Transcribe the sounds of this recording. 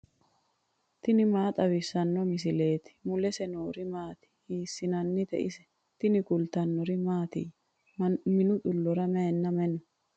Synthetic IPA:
t̪ɪnɪmaːt̪ʼɐbɪsːɐnːɔmɪs̬ɪle̞ːt̪ɪ̥mʊlɛsɛnoːɾɪmaːt̪ɪ̥hiːsːɪnɐnːɪt̪ɛ̰ʔɪsɛ̥ | t̪ɪnɪkʊlt̪ɐnːɔɾɪmaːt̪ɪj | mɪnʊᶑʊlːɔɾɐmɛnːɐmɛnɔ

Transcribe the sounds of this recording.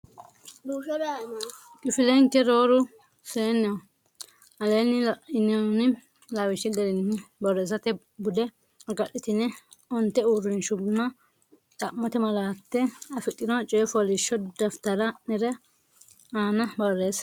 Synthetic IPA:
kʼɪfɪlɛŋkɛɾoːɾʊ | seːnːɛ | ɐleːnɪɪnɛnɪ | lawɪʃɪd̪ɛɾɪnːɪbɔɾeːsɐt̪ɛ | bʊd̪ɛ | ɐɡɐɗɪt̪ɪnɛ | ɔnt̪ːɛuːɾɪnʃʊbnɐ | t̪ʼɐmːɔt̪ɛmɐlaːt̪ːɛɐfɪt̪ʼːɪnɔt͡ʃʼeːfɔlɪʃːɔd̪ɐft̪ɐɾɐnɛɾɛ | aːnɐbɐɾeːs

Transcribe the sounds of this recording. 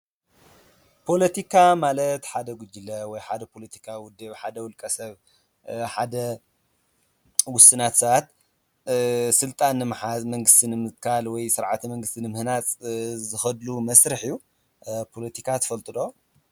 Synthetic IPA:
pʰo̞lɐt̪ʰikʰamalɐt̪ħad̪ɐɡʷʊd͡ʒɨlɐwɔjħad̪ɐpʰo̞lɐt̪ʰi̥kʰawʊd̪ːɐβħad̪ɐwʊlkʼɐsɐβ | ħad̪ɐ | wʊsɨnat̪sɐβat̪̚ | sɨlt̪ʼanːɨmħazmɐŋɡɨst̪ʰinɨmɨt̪kʰalwɔjsɨɾʕa̰t̪mɐŋɡɨst̪ʰinɨmɨhnat͡sʼzɨxɐd̪lumɐsɾɨħijːu | pʰo̞lɐt̪ʰikʰat̪ʰɐ̥fɐlt̪ʼɨd̪o

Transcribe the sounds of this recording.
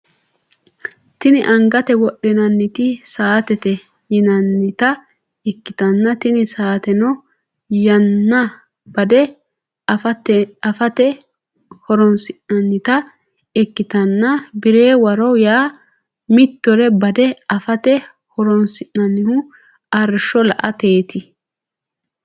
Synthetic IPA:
t̪ɪnɪʔɐŋɡɐt̪ɛwɔɗːɛnɐnːɪt̪ɪsaːt̪ɛt̪ɛ | jɪnɐnːɪt̪ɐ | ɛkːɪt̪ɐnːɐt̪ɪnɪsaːt̪ɛnɔ | jɐnːɐ | bɐd̪ɛ | ɐfɐt̪ɛɐfɐt̪ɛ | hɔɾɔnsɪnnɐnːɪt̪ɐ | ɛkːɪt̪ɐnːɐbɪɾeːwɐɾɔjaː | mɪt̪ːɔɾɛbɐd̪ɛɐfɐt̪ɛ | hɔɾɔnsɪʔːɐnːɪhʊ | ɐɾʃɔlɐ̰ʔɐt̪e̞ːt̪ɪ

